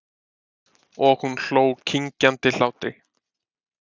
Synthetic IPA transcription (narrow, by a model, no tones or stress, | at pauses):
ɔɣhunɬoːwkʰiɲcant̪ɪl̥aːwt̪ɪ